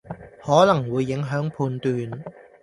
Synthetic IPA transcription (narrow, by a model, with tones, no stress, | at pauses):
hɔː˨˥lɐ˨˩ŋwuː˨˧jːɪ˨˥ŋɦœː˨˥ŋpʰuː˧nt̪yː˨˧n